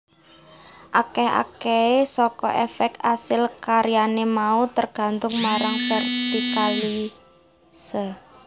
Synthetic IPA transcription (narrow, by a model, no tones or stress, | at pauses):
ʔakɛɦa̰keesɔkɔ̰ʔɛfɛk̚t̪asɪlkaɾijanemaut̪ərɡ̥ä̤nt̪ʊŋmaɾaŋfɛrtikali | sə